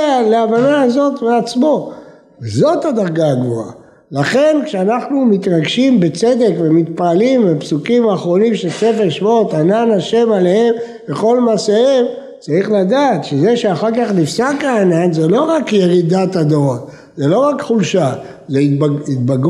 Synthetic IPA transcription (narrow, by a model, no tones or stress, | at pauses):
leavanaazo̞t̪veat͡smo̞ | vezo̞t̪had̪aʁɡaaɡvoa̰ | laχe̞nkʃeanaχnumit̪ʁaɡʃimbet͡se̞d̪e̞kvemit̪paːlimbepsukimaːχʁo̞nimʃese̞feʃmot̪ananaʃe̞male̞he̞m | veχo̞lmasaem | t͡saʁiχlad̪aːt̪ʃezeʃeaχaʁkaχnifsakaːnanzelo̞ʁakje̞ʁid̪at̪ad̪oʁa | zelo̞ʁakχulʃazeiit̪̚baɡ